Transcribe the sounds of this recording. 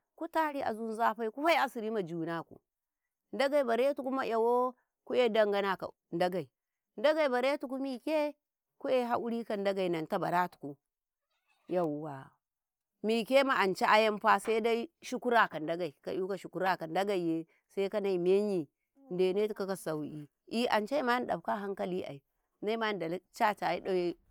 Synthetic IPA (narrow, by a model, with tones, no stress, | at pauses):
ku˦ta˦ɾi˦ʔa̰˨zu˦n˦za˦ɸa˦i˦ku˦ɸa˦i˦a˦si˨ɾi˦ma˨d͡ʒu˨na˦kṵ˨ | nda˦ɡa˦˨i˨ba˨ɾe˦tu˨ku˦ma˦jʔa˨wo˦ | ku˦je˦da˦ŋɡa˦na˨ka̰˨ | nda˦ɡa˨i˨ | nda˦ɡa˨i˨ba˨ɾe˦tu˨ku˦mi˨kʲe˦ | ku˦je˦ɦa˦ʔu˦ɾi˦ka˨n˦da˦ɡa˨i˨na˨nta˦ba˨ɾa˦tu̥˨ku˨ | ja˨wa̰˨ | mi˨ke˦ma˨ʔa˨nt͡ʃa˦ʔa˦ja˦mɸa˦sa˦da˦i˦ʃu˦ku˦ɾa˦ka˨nda˦ɡa˨i˨ka̰˨ju˦ka˨ʃu˨ku˦ɾa˨ka˨nda˦ɡa˨je˦ | sa˦ka˦na˨i˨me˦ɲi˨ | nde˨ne˦tu˦ka˦ka˨sa˨wi˨ | i˦ʔa̰˨nt͡ʃa˦i˦ma˦n˨ɗa̰˨b̚ka˦ɦa˦ŋka˦li˦ʔa̰˨i˨ | na˦i˦ma˦n˨da˨lt͡ʃa˦t͡ʃa˨i˦ɗo˦je˦